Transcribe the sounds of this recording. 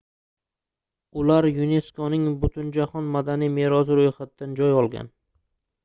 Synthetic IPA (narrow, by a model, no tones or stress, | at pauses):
ʊlaɾjʊne̞skonɪŋbʊt̪ʰʊnd͡ʒaχɒnmad̪anijme̞ɾɒzɪɾojχat̪ːand͡ʒɒjɒlˠɡʲa̰n